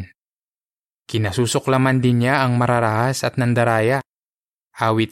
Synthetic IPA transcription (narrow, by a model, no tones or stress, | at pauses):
n | kinasusʊklamandiɲaːŋmaɾaɾaɦasat̪̚nand̪aɾaja | awi